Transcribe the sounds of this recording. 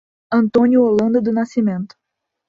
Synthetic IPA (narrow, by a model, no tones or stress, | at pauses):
ɐ̃nt̪õnjʊolɐ̃nd̪ɐd̪ʊnasimẽnt̪ʊ̥